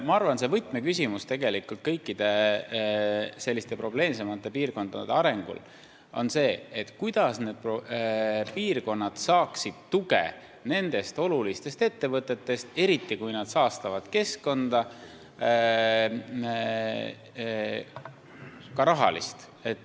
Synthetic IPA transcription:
mɑɑrvɑnse̞vɤjt̪ˑmekysʲimust̪e̞ɡe̞likult̪̚kɤjkːid̪̥e̞ | se̞lʲːist̪e̞pɾro̞ble̞ːmse̞mɑt̪ːˑe̞piːrko̞nd̪̥ɑd̪̥eɑɾe̞ŋɡ̥ṵl | o̞̰nse̞ːet̪kujd̪̥ɑsne̞ːd̪̥̚pro | piːrko̞nːɑd̪̥sɑːksid̪̥t̪uɡḛ | ne̞nd̪̥e̞st̪o̞lulist̪e̞st̪e̞t̪ːe̞vɤt̪ːˑe̞t̪ːe̞st̪e̞ɾit̪ːikujnɑd̪̥sɑːst̪ɑvɑd̪̥ke̞skko̞nd̪̥ɑ | kɑɾɑɦɑ̰lḭst̪ | et̪ːˑ

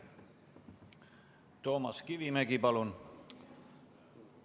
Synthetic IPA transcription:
t̪o̞ːmɑskiʋimæɡipɑlun

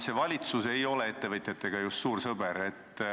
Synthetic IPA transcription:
se̞vɑlʲit̪suse̞jo̞le̞et̪ːe̞vɤt̪ʲjɑt̪ːe̞ɡ̥ɑjust̪suːɾsɤbeɾe̞t̪ː

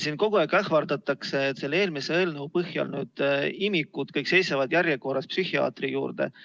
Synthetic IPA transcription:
sinko̞ɡ̥oækɑhvɑrd̪ɑt̪ːˑɑkse̞ːt̪ːse̞lːeːlmiseeːlneupɤhjɑ̰lnyːd̪̥imikːut̪kɤjkse̞jsɑvɑd̪jærjeko̞ɾɑspsyhiɑ̰ːt̪rijuːrd̪̥e̞̰

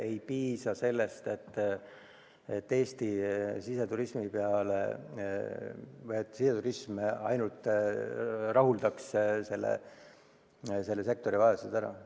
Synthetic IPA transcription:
ejpiːsɑse̞lːe̞st̪e̞t̪ː | et̪ːe̞ːst̪isise̞t̪uɾismipeɑlḛ | vɯjet̪ːsise̞t̪uɾismɑ̰jnult̪ːˑ | rɑɦuld̪̥ɑksse̞lːḛ | se̞lːe̞s̬e̞k̚t̪o̞ɾivɑe̞sed̪̥æɾɑ̰

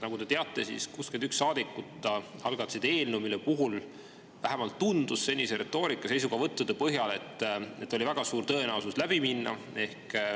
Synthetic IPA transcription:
nɑɡud̪e̞t̪eɑt̪ːˑe̞sḭskuskend̪t̪yksːɑːd̪ikːut̪ːˑɑɑlɡ̥ɑt̪sid̪e̞ːlnumilepuɦul | væɦemɑlt̪ːund̪̥usse̞nʲːiseɾʔe̞t̪ːˑo̞ːɾikːˑɑse̞js̬uɡ̥ɑvɤt̪ːud̪epɤɦjɑle̞t̪ːˑet̪ːˑo̞lʲivæɡ̥ɑsuːɾt̪ɤ̞e̞nɑwsuslæb̥iminːɑ̰ | e̞hk

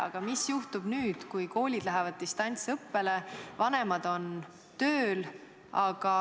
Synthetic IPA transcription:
ɑ̰ɡ̥ɑmisjuht̪ub̥nyːd̪̥kujko̞ːlʲid̪̥læɦɛvɑd̪̥̚t̪ist̪ɑnʲt̪sɤpːe̞le̞vɑnemɑd̪̥o̞n | t̪øːl | ɑɡ̥ɑ

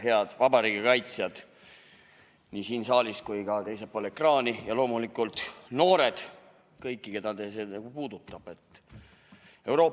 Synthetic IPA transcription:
he̞ɑd̪̥vɑbɑɾiːɡikɑjt̪sjɑd̪̥ | nisiːnsɑːliskujkɑt̪e̞jsepːoːlekrɑːnijɑlo̞ːmulikːˑult̪no̞ːɾe̞d̪̥ | kɤjkˑːike̞d̪ɑd̪esenɑɡ̥upuːd̪̥ut̪ːˑɑb̥e̞t̪ː | e̞wɾo̞ː

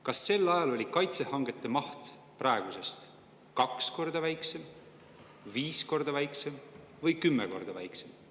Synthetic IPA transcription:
kɑsːe̞lːɑjɑlo̞lʲikɑjt̪se̞hɑŋɡ̥e̞t̪ːˑe̞mɑht̪ | prɑe̞ɡ̥use̞st̪ | kɑksko̞rd̪̥ɑvæjkse̞m | viːsko̞rd̪̥ɑvæjkse̞m | vɤjkymːe̞ko̞rd̪̥ɑvæjksem

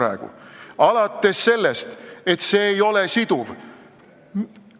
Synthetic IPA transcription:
æ̰eɡ̥ṵɑlɑt̪ːˑe̞sːe̞lːe̞st̪e̞t̪se̞ːjo̞le̞sid̪̥uv

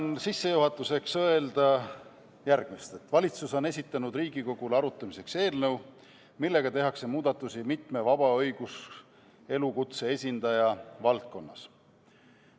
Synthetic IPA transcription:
nsisːe̞juɦɑt̪ːˑuse̞ksɤ̞e̞ld̪̥ɑ | jærɡ̥mist̪et̪ːvɑlʲit̪suso̞ne̞s̬ʲit̪ːˑɑnud̪riːɡiko̞ɡ̥uleɑɾut̪ˑːɑmise̞kse̞ːlnɤw | milːe̞ɡ̥ɑt̪e̞ɦɑkse̞muːd̪̥ɑt̪ːˑusimit̪mevɑb̥ɑɤ̞jɡ̥us | e̞lukut̪se̞e̞sʲind̪̥ɑjɑvɑlt̪̚ko̞nːɑs

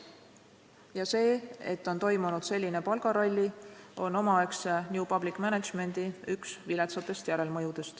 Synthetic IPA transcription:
jɑse̞ːet̪ːo̞nt̪o̞jmunud̪̥se̞lʲːine̞pɑlɡ̥ɑɾolʲːio̞no̞mɑeksnʲjupɑb̥likːˑmæned̪̥ʒ̥me̞nd̪̥iyksvilet̪sɑt̪ːˑe̞st̪jæɾe̞lmɤjud̪̥e̞st̪

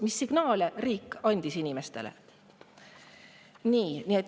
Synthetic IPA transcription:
misːiɡ̥nɑːleriːkːˑɑnʲd̪̥isinʲime̞st̪e̞lḛ | niːniet̪ːˑ

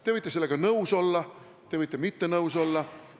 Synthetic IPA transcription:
t̪e̞vɤjt̪ːˑese̞lːeɡ̥ɑnɤwso̞lːɑ | t̪e̞vɤjt̪ːˑemit̪ːenɤuwso̞lːɑ

